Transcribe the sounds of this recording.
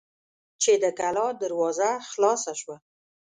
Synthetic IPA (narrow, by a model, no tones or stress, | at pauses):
t͡ʃed̪əkalɑd̪aɾwɑzaxlɑsaʃwa